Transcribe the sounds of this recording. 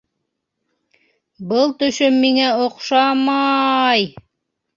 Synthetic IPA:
bɤlˠt̪ɵ̆ʃɵmːiŋæoqʃɑmɑj

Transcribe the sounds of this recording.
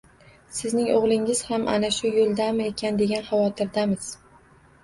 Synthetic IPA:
sɪznɪŋoʁlˠɪŋɪz̥hamʔa̰naʃʊjolˠd̪amɪekʲʰand̪e̞ɡʲanχɑvɒt̪ʰɪɾd̪amɪz̥

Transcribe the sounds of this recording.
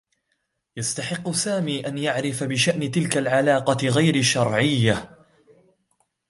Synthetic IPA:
jast̪aħɪqːʊsaːmiːʔanjaʕɾɪfabɪʃaʔnɪt̪ɪlkalʕalɑːqɑɣajɾɪʃːɑɾˤʕɪjːa

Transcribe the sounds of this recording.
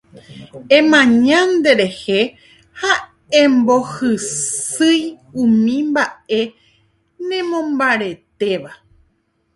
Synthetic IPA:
ẽmãɲãnd̪e̞ɾe̞he̞ | ha | ẽmbo̞hɨsɨj | ũmĩmbae̞ | nẽmõ̞mbaɾe̞t̪e̞ʋa

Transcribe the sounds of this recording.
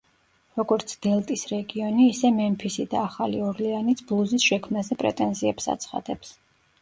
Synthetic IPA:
ɾɔɡɔɾt̪sʰd̪̥ɛlˠt̪ʼisɾɛɡiɔniːsɛmɛmpʰisid̪aːχaliɔɾlianit̪sʰblˠuzisʃɛkʰmnazɛpʼɾɛ̰t̪ʼɛnziɛpsa̰t̪sʰχa̰d̪ɛps

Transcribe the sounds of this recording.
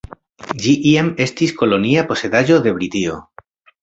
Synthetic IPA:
d͡ʒiʔiame̞st̪isko̞lo̞niapo̞se̞ðaʒo̞ðe̞βɾit̪io̰

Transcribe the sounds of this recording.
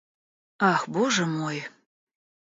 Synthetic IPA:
ɑxboʒəmoj

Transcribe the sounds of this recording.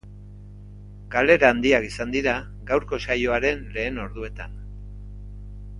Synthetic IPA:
ɡale̞ɾaːnd̪iakisand̪iɾa | ɡawɾko̞sajo̞aɾe̞nle̞ːno̞ɾðue̞t̪a̰n

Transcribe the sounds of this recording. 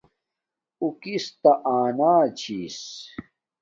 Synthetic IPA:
ukist̪ɐʔaːnaːt͡ɕʰiːs

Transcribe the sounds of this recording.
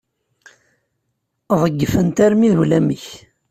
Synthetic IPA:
ðˤəɡːəfənt̪æɾmiðlæməç

